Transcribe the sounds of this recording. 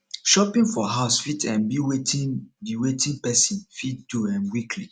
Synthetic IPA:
ʃɔpĩnfɔɦaʊsfitʰɛ̃nbiwetʰĩnbiwetʰĩnpɛsĩnfitduɛ̃nwikʰli

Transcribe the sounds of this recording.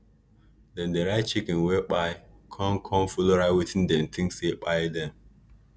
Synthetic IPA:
dɛ̃ndeɾaɪt̚t͡ʃikĩnwek͡paɪkʰɔ̃nkʰɔ̃mfuloɾaɪwitĩndɛ̃mt̪ʰĩŋsek͡pajdɛ̃m

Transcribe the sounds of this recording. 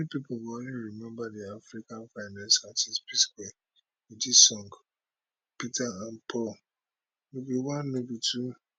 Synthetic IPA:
ɛnipipobõnliɾimɛ̃mbadiafɾikãnfaɪnãnsatispiskwɛ | idisɔ̃ŋɡ | pitʰaãnpʰɔl | nebiwãnːebitʰu

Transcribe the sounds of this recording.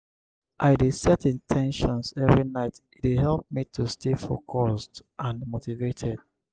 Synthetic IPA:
ʔaɪdesɛtĩntʰɛ̃nʃɔ̃nsɛvɹinaɪt | itwiɦɛlp̚mitʰustefo̰kʰɔsdʔãnmotivetʰɛd̥̚

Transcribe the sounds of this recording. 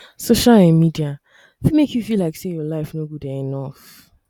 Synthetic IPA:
soʃalɛ̃nmidia | fimekʰjufilaɪksejɔlaɪfnoɡudɛɛnɔf

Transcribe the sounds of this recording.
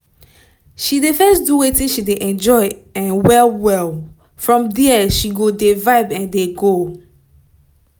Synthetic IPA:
ʃidefɛsduwetĩnʃideʔɛ̃nd͡ʒɔɪɛ̃nwɛlwɛlˠ | fɹɔ̃mdɛʃiɡodevaɪbɛ̃ndeɡo

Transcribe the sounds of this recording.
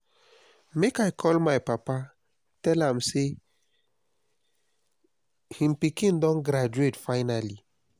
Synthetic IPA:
mekajkʰɔlmajpapa | tɛlãmse | hĩmpikĩndɔ̃nɡɾad͡ʒuetfaɪnali

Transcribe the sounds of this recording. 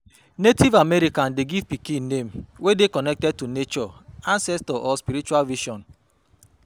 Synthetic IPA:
netivameɾikandeɡivpikinem̩wedekɔnɛk̚tɛd̚tunet͡ʃɔãnsɛstɔʔɔspiɾit͡ʃualviʃɔ̃n

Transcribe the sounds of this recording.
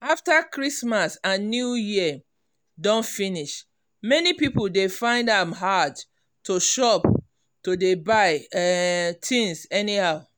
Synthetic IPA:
aftakɹismasãnnjujiə | dɔ̃nfiniʃ | mɛnipipoldefãɪ̃ndãmɦad | toʃɔp | todebaɪ | tʰĩnsɛnihaʊ

